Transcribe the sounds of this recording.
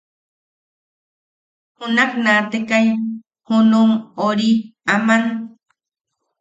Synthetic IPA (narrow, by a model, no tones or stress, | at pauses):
hunaknat̪ekaj | hunumoɾiaman